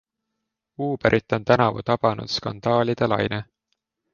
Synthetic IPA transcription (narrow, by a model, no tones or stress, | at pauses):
uːbeɾʔit̪ːˑo̞nt̪ænɑvṵt̪ɑb̥ɑnṵd̪̥skɑ̰nd̪̥ɑːlid̪̥elɑ̰jne